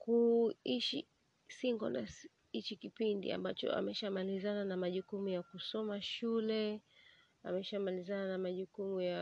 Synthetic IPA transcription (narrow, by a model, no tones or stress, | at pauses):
kuiʃḭ | siŋɡɔna̰s | it͡ʃikipindḭa̰mbat͡ʃɔ̰a̰mɛʃamalizananamaʄukumujakusɔmaʃulɛ | a̰mɛʃamalizananamaʄukumuja